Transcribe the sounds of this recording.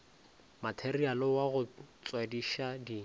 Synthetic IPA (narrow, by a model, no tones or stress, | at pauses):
matʰerialɔwaɣʊt͡swadiʃadi